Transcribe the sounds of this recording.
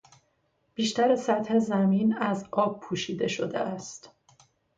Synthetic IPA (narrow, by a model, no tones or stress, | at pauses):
b̥iːʃt̪æɾesæt̪he̞zæmiːnæzɒːb̥̚pʰuːʃiːd̪e̞ʃo̞d̪eʔæst̪